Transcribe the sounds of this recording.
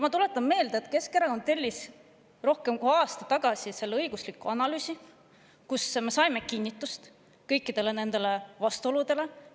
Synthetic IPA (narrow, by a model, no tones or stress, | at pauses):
mɑt̪ule̞t̪ːˑɑmme̞ːld̪̥eet̪ke̞skeɾɑko̞nt̪e̞lʲːis | ro̞hke̞mkuɑːst̪ɑt̪ɑɡ̥ɑsise̞lːeɤjɡ̥uslikːˑuɑnɑlyːsi | kusme̞sɑjme̞kinʲːit̪ːˑust̪ | kɤ̞jkːˑid̪̥e̞le̞ne̞nd̪̥e̞le̞vɑst̪uo̞lud̪̥e̞le̞